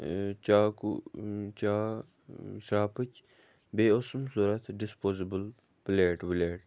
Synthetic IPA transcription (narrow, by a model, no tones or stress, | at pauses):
t͡ʃaːkut͡ʃaː | saːpəkʲ | beːosmsuːɾɐt̪ʰɖɪspoːzibəl | pleːʈbleːʈ